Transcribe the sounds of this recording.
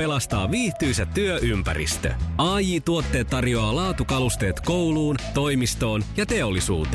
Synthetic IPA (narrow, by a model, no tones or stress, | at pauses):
elɑst̪ɑ̰ːʋiːht̪yjsæt̪ːyøʔympæ̰ɾḭst̪ø̰ɑːjiːt̪uot̪ːe̞ːt̪ːɑrjo̞ɑːlɑːt̪ukɑlust̪e̞ːt̪ko̞wluːnt̪o̞jmist̪o̞ːnjɑt̪e̞olːisṵːt̪e